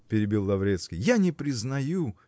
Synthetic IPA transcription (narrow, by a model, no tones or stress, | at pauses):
pʲɪɾʲɪbʲilˠːɐvɾʲet̪skʲɪjjanʲɪpɾʲɪznɐju